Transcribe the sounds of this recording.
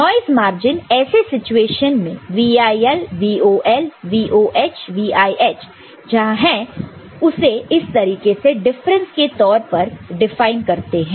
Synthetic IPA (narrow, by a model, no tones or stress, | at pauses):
nɔːɪzmaːɾd͡ʒɪnɛːsesɪt͡ʃueːʃənmḛ̃ʋiːaːiɛlʋiːoːʔɛlʋiːʔoːʔeːt͡ʃʰʋiːaːiʔɛːt͡ʃ | d͡ʒɐɦãɦɛ̃ | ʊseɪst̪ɐɾiːkeseɖɪfɾə̃nsket̪ɔːɾpɐɾɖɪfaːɪnkɐɾt̪eɦɛ̃ː